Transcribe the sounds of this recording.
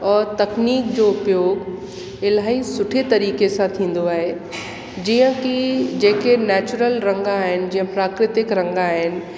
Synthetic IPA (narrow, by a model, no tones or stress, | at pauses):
ɔːɾt̪ɐkniːkd͡ʑoʊpjoːɡ | ɪlaːɦisʊʈʰet̪ɐɾiːkesãt̪ʰĩːn̆d̪oaːɦe | d͡ʑiːə̃kid͡ʑeːkenɛːt͡ɕʊɾəlɾɐ̃ŋɡaːɦɪnɪ̆d͡ʑĩːə̃pɾaːkɾɪt̪ɪkɾɐ̃ŋɡaːɦɪnɪ̆